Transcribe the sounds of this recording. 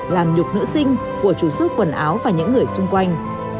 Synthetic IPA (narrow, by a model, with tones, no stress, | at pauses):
laː˨˩mɲʊ˨˩k͡p̚nɨ̰˧˥sï˧ŋ̟ | ku˧˩ət͡ɕu˧˩sʊ˦˥t̚kwə˨˩nʔaː˨˦wvaː˨˩ɲɨ̰˧˥ŋːɨ˨˩əjsʊ˧ŋ͡mkwa˧jŋ̟